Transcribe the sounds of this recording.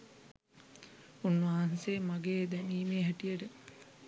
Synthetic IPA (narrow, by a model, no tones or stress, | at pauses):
unːʋaɦaŋseːmaɡeːd̪ɛniːmeːɦɛʈijəʈə